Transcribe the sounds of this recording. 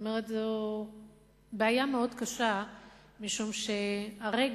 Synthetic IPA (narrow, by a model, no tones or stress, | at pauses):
omeʁetzo | beajameo̞dkaʃa | miʃumʃe̞aʁeɡ